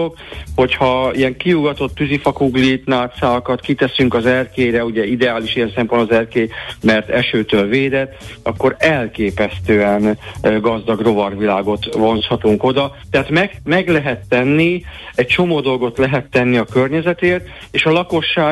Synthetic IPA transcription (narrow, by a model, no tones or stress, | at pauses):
ok | ho̞chɒijɛŋkijuɡɒt̪o̞t̪ːyzifɒkuɡlit̪naːt̪saːkɒt̪kit̪ɛsyŋkɒzɛrkeːɾɛuɟɛid̪ɛaːliʃijɛnsɛmpond̪ɒzɛrkeːmɛrt̪ɛʃøːt̪øːlveːd̪ɛt̪ɒkːo̞ɾɛlkeːpɛst̪øːɛnɡɒzd̪ɒɡro̞vɒrʋilaːɡo̞t̪vo̞nshɒt̪uŋko̞d̪ɒt̪ɛɦaːt̪mɛɡmɛɡlɛɦɛt̪ːɛnːiɛct͡ʃo̞moːd̪o̞lɡo̞t̪lɛɦɛt̪ːɛnːiɒkørɲɛzɛt̪eːrt̪ | eːʃɒlɒko̞ʃːaː